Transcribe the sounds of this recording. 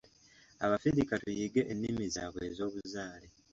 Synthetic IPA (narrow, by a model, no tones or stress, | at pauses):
aβafiɾikatujiɡe̞ʔenːimiza̰ːβwezo̞ːβuzaːle